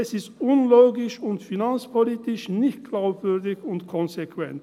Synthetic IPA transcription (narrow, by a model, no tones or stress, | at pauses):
ɛsɪstʔʊnloːɡɪʃʊntfinant͡spʰoliːtɪʃnɪçt̚ɡ̥laʊpv̥ʏɐdɪçʊntkʰɔnzekvɛ̰nt